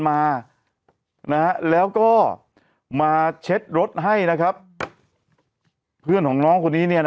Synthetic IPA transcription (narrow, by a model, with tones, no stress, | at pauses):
maː˧ | na˦˥ha˦˥lɛː˦˥wkɔː˥˩ | maː˧t͡ɕʰe˦˥t̪̚ɾo˦˥t̪̚ɦa˥˩jna˦˥kʰa˦˥p̚ | pʰɯ˥˩ənkɔː˩˦ŋnɔː˦˥ŋkʰo˧nːiː˦˥ni˥˩ɐn